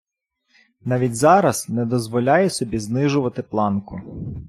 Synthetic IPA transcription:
nɑʋʲidʲzɑɾɐznɛd̪ɔzʋɔlʲɑjɛsɔbʲiznɪʒʊʋɐt̪ɪplˠɑnkʊ

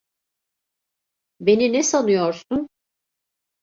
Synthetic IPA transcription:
be̞ninɛsanɯjoɾsun

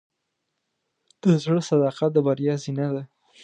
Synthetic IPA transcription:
d̪̥əzɽəsad̪ɑqat̪̚d̪əbaɾjɑzinad̪a

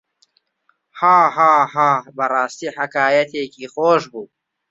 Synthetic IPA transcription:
haːɦaːɦaːbɐrɑːst̪iːħɐkaːjɐt̪ʰeːkiːxoːʃbuː

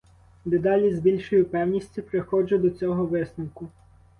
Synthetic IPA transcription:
nɛd̪ɑlʲizbʲilʲʃɔjʊpɛwnʲisʲtʲipɾexɔd͡ʒʊd̪ɔt͡sʲɔɦɔʋɪsnɐwkʊ

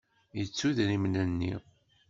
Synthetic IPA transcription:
jət͡sːuðɾimnænːḭ

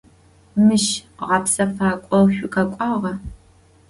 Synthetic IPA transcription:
mɨʃʁɑːpsɐfaːkʷʼɔwɕʷʼʊkʰɐkʷʼɑʁɐ

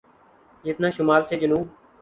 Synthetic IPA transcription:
d͡ʒɪt̪naːʃʊmaːɾseːd͡ʒənuːb

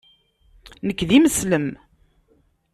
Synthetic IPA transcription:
nəkːðiməsləm

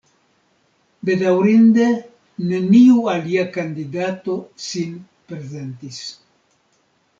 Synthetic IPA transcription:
be̞d̪awɾind̪e̞ | ne̞niualiakand̪id̪at̪o̞sin | pɾe̞ze̞nt̪is

